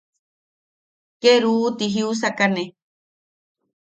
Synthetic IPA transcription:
keɾut̪iɦius̬akane

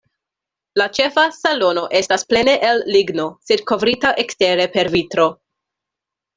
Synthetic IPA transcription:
lat͡ʃe̞fasalo̞no̞ʔe̞stasple̞ne̞ʔelːiɡno̞se̞dko̞vɾitaʔekste̞ɾe̞pe̞ɾvitɾo̞

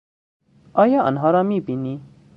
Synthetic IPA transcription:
ʌjʌʔʌ̰nɦʌɾʌmipini

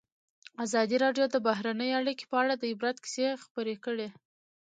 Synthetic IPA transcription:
azɑd̪iɾɑɖjod̪əbaɦɾanəjaɽike̥pəaɽad̪əɪbɾat̪ki̥sexpəɾekəɽe

